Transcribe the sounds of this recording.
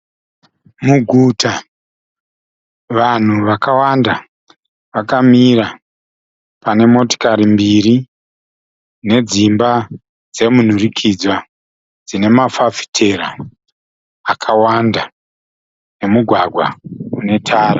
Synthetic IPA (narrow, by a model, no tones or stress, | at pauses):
muɡʱuta | ʋan̤uʋakawanda | ʋakamiɾa | pane̞mo̞to̥kaɾimbiɾi | ne̞d͡zimba | d͡ze̞mun̤urikʰid͡zwa | d͡zine̞mafafi̥tʰe̞ɾa | kʰawanda | ne̞muɡʱwaɡʱwa̰une̞tʰaːɾa